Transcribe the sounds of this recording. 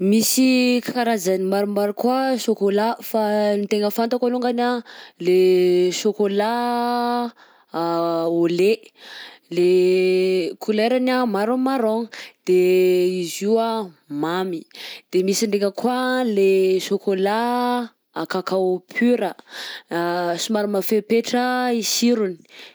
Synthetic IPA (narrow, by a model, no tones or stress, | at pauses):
misikʰaɾazanimaɾumaɾukuəʃokolafanit̪eŋɡəfant̪akaluŋɡanaleʃokola | ole | le | kʰuleɾanamaɾomaɾoŋd̪̥eiziə | mamid̪̥emisiɳɖ͡ʐeŋəkwaleʃokola | akakawpʰyɾə | sumaɾumafepeʈ͡ʂəisiɾuni̥